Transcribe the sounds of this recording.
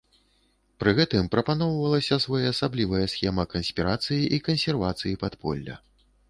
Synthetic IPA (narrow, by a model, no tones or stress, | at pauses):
pɾɨɣɛt̪ɨmpɾɐpanɔwvɐlˠɐsʲɐsvɔjɐːsablʲivɐjɐsxʲɛmɐkɐnsʲpʲiɾat̪sɨjiʔikɐnsʲɛrvat̪sɨjipat̪pʰɔ̰lʲːɐ̰